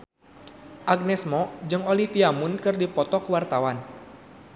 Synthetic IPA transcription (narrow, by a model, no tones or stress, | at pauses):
ʔaɡ̚nɛsmɔd͡ʒɨŋolifiamunkɨrdipɔt̪ɔkəwart̪awan